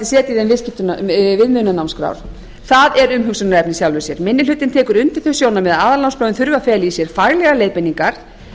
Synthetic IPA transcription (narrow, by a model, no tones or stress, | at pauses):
sɛːt̪iðɛnvɪscɪt̪ʏnvɪðmʏðnanawmskɾa̰ːwɾ̥ | θaðɛɾʏmɦʏksʏnaɾɛpnɪsjawlvʏsjɛɾmɪnːɪlʏt̪ːɪnt̪ʰɛːkʏɾʏnt̪ɪ̥θœsjoːwnamɛðaaːðalawnspɾɔwʏnθʏɾvafɛːlisjɛɾ̥faːɣlɛɣaleːjðpɪnːiŋkaɾ̥